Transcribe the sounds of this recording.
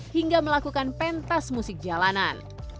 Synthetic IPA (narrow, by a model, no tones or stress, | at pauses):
hiŋɡaməlakukanpɛnt̪asmusɪk̚d͡ʒalanan